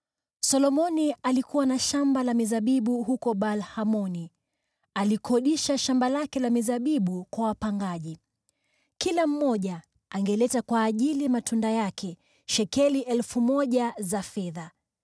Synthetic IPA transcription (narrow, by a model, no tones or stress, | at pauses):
sɔlɔmɔnialikuwanaʃambalamizaɓiɓuɦukɔɓalhamɔni | alikʰɔɗiʃaʃambalakɛlamizaɓiɓukwawapaŋɡaʄi | kilam̩mɔʄa | aŋɡɛlɛtakwaːʄiliamatʰundajakʰɛ | ʃɛkɛliʔɛlfumɔʄazafɛða